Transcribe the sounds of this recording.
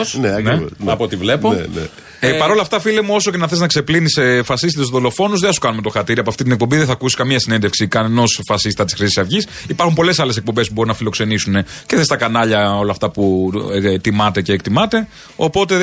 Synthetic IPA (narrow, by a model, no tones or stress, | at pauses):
sneɐkneoɐpot̪ivle̞poenḛ | epɐɾo̞lɐft̪ɐfilemuo̞so̞cenɐθe̞znɐkse̞plinisefɐsist̪it̪suðo̞lo̞fo̞nuzðeθɐsu̥kɐnume̞t̪o̞xɐɾt̪iɾiɐpoɐft̪it̪ine̞k̚pombiðeθɐkusskɐmiɐsine̞nd̪efksikɐneno̞sfɐsisit̪ɐt̪isxɾisisɐvʝis | ipɐɾxumpo̞le̞sɐlesek̚pombe̞spubo̞ɾunɐfilo̞kse̞nisune̞ceθest̪ɐkɐnɐʎɐo̞lɐft̪ɐpu | t̪imɐt̪e̞ce̞ːkt̪imɐt̪e̞ | o̞po̞t̪e̞